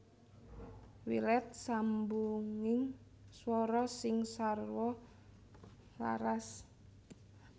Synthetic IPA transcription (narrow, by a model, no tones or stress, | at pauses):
wḭlɛt̪̚sambuŋɪŋ | swɔɾɔsɪŋsarwɔ | la̰ɾas